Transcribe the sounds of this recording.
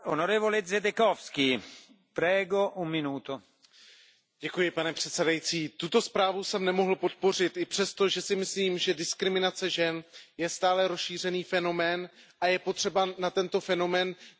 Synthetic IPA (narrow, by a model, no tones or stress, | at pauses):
onoɾɛːvolɛzɛd̪ɛkofski | pɾɛːɡoʔummːɪnuːt̪o | ɟ̥ɛkujɪpanɛpr̝̥ɛt̪sɛdajit͡siːt̪ut̪o̞spɾaːvusɛmnɛmo̞ɦl̩pot̪̚po̞r̝ɪt̪ɪpr̝̥ɛst̪o̞ʒɛsɪmɪsliːmʒɛdɪskɾɪmɪnat͡sɛʒɛnjɛst̪aːlɛɾosʃiːr̝ɛniːfɛno̞mɛːn | ʔajɛpot̪r̥ɛbanat̪ɛnt̪o̞fɛno̞mɛːn